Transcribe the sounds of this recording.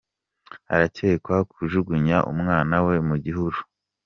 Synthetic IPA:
a̰ɾace̞ːkwakʰuʒuɡuɲaʔṵmŋaːnawe̞muɟiɦuɾu

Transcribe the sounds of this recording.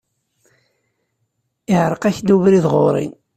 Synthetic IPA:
ɪʕɾˤəqæçd̪uvɾiðʁo̰ɾˤḭn

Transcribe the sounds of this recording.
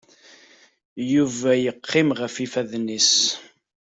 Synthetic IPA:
juvæjəqʰːɪmʁəfifæðnis

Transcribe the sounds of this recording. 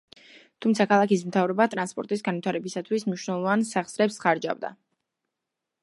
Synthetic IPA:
t̪ʰumt̪sʰakʰalˠakismt̪ʰavɾɛbat̪ʼɾanspʼɔɾt̪ʼisɡanwit̪ʰaɾɛbisat̪ʰwismniʃwnɛlˠɔvansaχsɾɛpsχaɾd͡ʒa̰vd̪a̰

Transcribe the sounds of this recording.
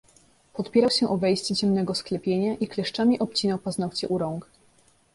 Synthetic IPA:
pɔt̪pʲjɛɾawɕɛʔɔvɛjɕt͡ɕɛt͡ɕɛmnɛɡɔsklɛpʲjeɲaʔiklɛʂt͡ʂamʲiʔɔp̚t͡ɕinɔwpaznɔwt͡ɕɛ̰ʔuɾɔŋk

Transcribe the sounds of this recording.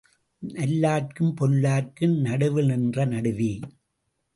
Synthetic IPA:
nɐlːaːrkɯmpɔlːaːrkɯmnɐɽɯʋɯnɪndrɐnɐɽɯʋi

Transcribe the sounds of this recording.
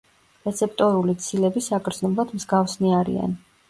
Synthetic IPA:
ɾɛt̪sʰɛp̚ʰʼt̪ʼɔɾulit̪sʰilɛbisakʰʼɾd̪znɔblˠad̪mzɡafsniaɾḭa̰n

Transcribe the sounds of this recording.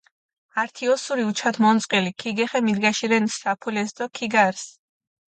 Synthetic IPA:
aɾt̪ʰiɔsuɾiut͡ʃʰat̪ʰmɔnt̪sʼqʼilikʰiɡɛχɛmid̪ɡaʃiɾɛnsːapʰulɛsd̪ɔkʰiɡaɾs

